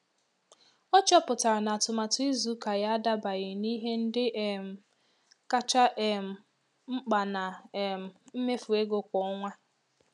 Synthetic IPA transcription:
ɔ˦t͡ʃɔ˦pʊ˨ta˨ɾa˨na˨tʊ˨ma˨tʊ˦i˦zu˨˦ka˨ja˦a˦da˦ba˨ɣɪ˨ni˦ɦe˦n̩˦dɪ˦ʔe˨m̩˨ | ka˦t͡ʃa˦ʔe˨m̩˨ | ŋ͡m̩˦k͡pa˨na˨m̩˨m̩˦me˦fu˨e˦ɡo˦kʷɔ˨˦ŋʷa˦

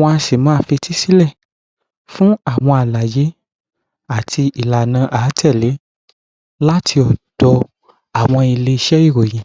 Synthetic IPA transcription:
wɔ̃˧a˧ʃe˨mã˦˧˦fi˧ti˦si˦lɛ˦˨ | fũ˦a˦˨w̃ɔ̃˧a˨la˨je˨˦ | a˦˨tʰi˧i˨la˨nã˧ʔaː˨˦tʰɛ˦˨le˨˦ | la˦tʰi˧ɔ˨d̥ɔ˧ | a˨w̃ɔ̃˧i˨˧le˧i˧ʃɛ˦i˦˨ɾo˨j̃ĩ˨

